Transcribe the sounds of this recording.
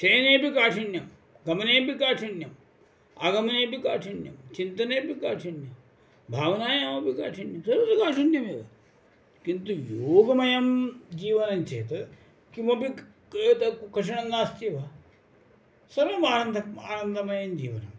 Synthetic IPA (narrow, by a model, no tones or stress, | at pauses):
t͡ʃɐjɐneːpikaːʈʰɐnjɐm | ɡɐmɐneːpikaːʈʰɐnjɐm | aɡɐmɐneːpikaːʈʰɐnjɐ̰mt͡ʃint̪ɐneːpikaːʈʰɐnjɐm | bʱaːʋɐnaːjaːmɐpika̰ːʈʰɐnjɐmsɐɾʋɐd̪ɐkaːʈʰɐnjɐmjeːɡɐ | kint̪ujooːɡɐmɐjɐmd͡ʒiːʋɐnɐmt͡ʃḛːt̪ɐ | kimɐpi | eːt̪ɐkɐʂ̬ɐɳɐŋɡaːst̪iːʋa | sɐɾʋɐmaːnɐnd̪ʱɐmaːnɐnd̪ʱɐmɐjɐmd͡ʒḭːʋɐ̰nɐ̰m